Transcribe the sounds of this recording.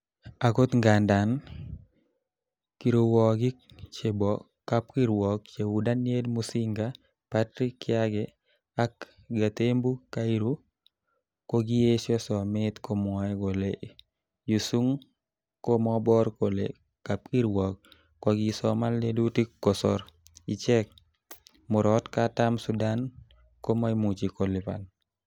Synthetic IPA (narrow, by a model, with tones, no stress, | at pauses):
a˨ko˦t̪ŋɡa˨nda˨n | ki˨ɾo˨wɔ˨ɡɪ˦k | t͡ʃe˨bɔ˨ | ka˦pki˦ɾwɔ˨k̚t͡ʃe˨wu˨da˦nje˦dmusi˦ŋɡa | patɾi˦kɪ˦aɡɛ | a˦k | ɡa˨t̪e˦mbu˦ka˦i˦ɾu˦ | ko˦ɡi˦je˦ʃɔ˦sɔmɪt̪ko˦mɔɛ˦ɡo˨le | ju˨su˦ŋ | ko˦mɔbɔ˦ɾko˨lḛ | kap̚i˦ɾwɔk | kɔ˨ɡisɔma˦ldedu˦ti˦kːɔsɔɾ | i˨t͡ʃɛ˦k̚ | mʊ˨ɾɔtkatamsudan | ko˦ma˦imu˨t͡ʃiko˨lɪ˨pa̰˨n